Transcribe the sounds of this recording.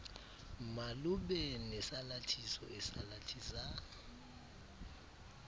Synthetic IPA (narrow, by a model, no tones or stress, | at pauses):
maluɓɛnɛsalatʰisɔ̰ɛsalatʰisan